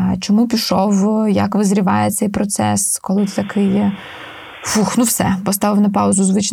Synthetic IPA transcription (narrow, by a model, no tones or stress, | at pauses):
t͡ʃɔmupʲiʃɔwjɐkʋɪzɾʲɪʋɑjɛt̪sɛjpɾɔt̪sɛ̰skɔlˠɪt̪ɐkʰɪj | fuxnuwsɛbɔst̪ɑʋɪwnɐp̬ɑʊzʊzʋɪt͡ʃn